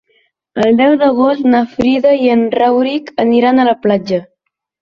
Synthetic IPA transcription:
əlˠd̪ɛwðəɣost̪nafɾiðəiənrawɾikəniɾanələplad͡ʒə

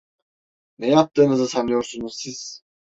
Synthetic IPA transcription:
nɛjap̚t̪ɯːnɯzɯsanɯjoɾsunuzsiz̥

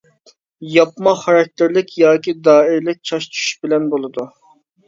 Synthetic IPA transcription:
jɑpmɑχɑɾɑk̚ʲt̪ɪɾlɪkʲʰjɑːkʲid̪ɑːɪɾlɪk̚ʲt͡ʃʰɑʃt͡ʃʰy̥ʃbɪlɛnbolˠɨd̪u

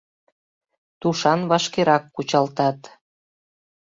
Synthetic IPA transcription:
t̪uʃɑnβɑʃkeɾɑkːut͡ɕɑlt̪ɑt̪

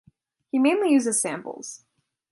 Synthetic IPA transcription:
himẽɪ̃nlijʉzɨz̥sæ̰̃mpl̩ˠz̥

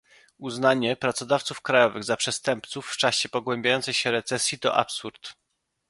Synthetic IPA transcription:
uznaɲɛpɾat̪sɔd̪aft̪sufkɾajɔvɘɣzapʂɛst̪ɛmpt̪sufːt͡ʂaɕɛpɔɡwɛmʲbʲjajɔnt̪sɛjɕɛɾɛt̪sɛsʲjit̪ɔ̰ʔa̰psuɾt̪

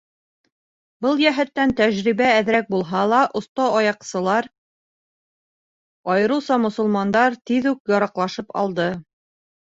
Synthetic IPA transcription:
bɤlˠjæɦɘ̆t̪ːænt̪æʑɾiβæːðɾæk̚bulˠɦɑlˠɑʔŏst̪ɑɑjɑqsɤ̆lˠɑɾ | ɑjɤ̆ɾɤwsɑmŏsŏlˠmɑnd̪ɑɾt̪iðʉkjɑɾɑqlˠɑʃɤpɑ̰lˠd̪ɤ

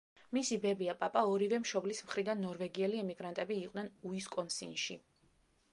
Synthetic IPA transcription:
misibɛbiapʼapʼaɔɾivɛmʃɔblismχɾid̪anːɔɾvɛɡiɛliɛmiɡɾant̪ʼɛbiːqʼdnɛnuiskʼɔnsḭnʃi

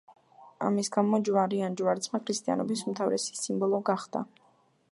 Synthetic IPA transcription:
a̰misɡamɔd͡ʒwaɾiand͡ʒwaɾsʰmakʰɾist̪ʼia̰nɔbisumt̪ʰavɾɛsi̥simbɔlˠɔɡaχd̪a̰

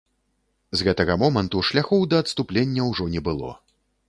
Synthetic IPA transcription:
zɣɛt̪ɐɣɐmɔmɐnt̪uʂlʲaxɔwd̪ɐːt̪st̪uplʲenʲːɐwʐɔnʲɛbɨlˠɔ̰

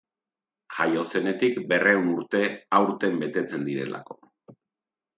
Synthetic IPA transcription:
ʝajo̞se̞ne̞t̪ikbe̞re̞unuɾt̪e̞awɾt̪e̞mbe̞t̪e̞t͡se̞nd̪iɾe̞̰la̰ko̞̥

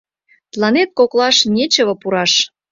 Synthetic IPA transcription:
t̪lɑnet̪̚koklɑʃnʲet͡ɕə̆βɤ̆puɾɑʃ

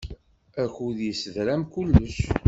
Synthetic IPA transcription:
æçuðjəsəðɾæmkulːəʃ

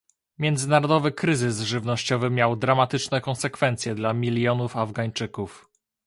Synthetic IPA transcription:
mʲjɛnd̪zɘnaɾɔd̪ɔvɘkɾɘzɘsʐɘvnɔɕt͡ɕɔvɘmʲjawd̪ɾamat̪ɘt͡ʂnɛkɔ̃nsɛkfɛnt̪sʲjɛd̪lamʲilʲjɔnufavɡaɲt͡ʂɘkuf

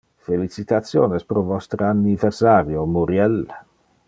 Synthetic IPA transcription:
felit͡ʃit̪at̪sjoːnespɾovɔst̪ɾəaniversaːɾjomuɾjɛl

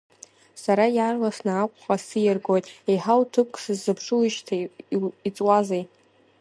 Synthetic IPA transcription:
saɾajarlasnaːkʷʼχasɨjɪrɡojtʼejħawtʰɨp̚ʰʼkʼʰsɨzːɨpʰʂɨlɨʃtʰait͡sʼwazej

